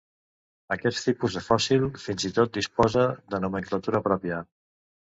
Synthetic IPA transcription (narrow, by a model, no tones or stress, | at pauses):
əkɛt̪t̪ipuzðəfɔsilˠfinzit̪ot̪̚d̪ispɔzəðənuməŋklət̪uɾəpɾɔpjə